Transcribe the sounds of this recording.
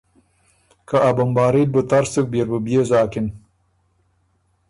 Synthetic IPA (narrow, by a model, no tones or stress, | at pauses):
kaabɐmbaːɾil̚bət̪aɾsuk̚beɾbəbijezaːkin